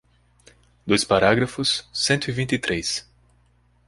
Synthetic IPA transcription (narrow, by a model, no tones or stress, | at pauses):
d̪ojspaɾaɡɾɐfʊsːẽnt̪ʊivĩnt̪ɪt̪ɾejs